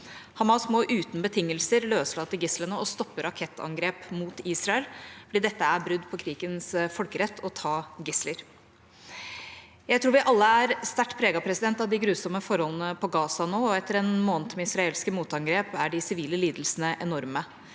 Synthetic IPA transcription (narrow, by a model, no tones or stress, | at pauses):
hɑmɑsmoːʔʉːt̪n̩bət̪ʰɪŋːəlsəɾløːslɑːt̪ːəɾɡɪslənəɔst̪ɔpːəɾɑkʰɛt̪ʰːɑ̰ŋɡɾeːpmuːt̪iːsɾɑɛlfɔɖiːd̪ɛt̪ːəæbɾʉd̪ːpʰɔkʰɾiːɡənsfɔlkəɾɛt̪ʰːɔt̪ʰɑːɡɪsləɾ | jæɪt̪ʰɾuːɾʋɪʔɑlːəæɾst̪æʈːpʰɾeːɡɑpʰɾɛsɪd̪ɛnt̪ɑʋd̪ɪɡɾʉːsɔməfɔɾhɔlnəpʰɔɡɑːsɑnoːɔɛt̪ʰːəɾɛnmoːnt̪mɛɪsɾɑeːlskəmuːt̪ɑŋɡɾeːpæɖɪsɪʋiːləliːd̪lsnəʔɛnɔɾmə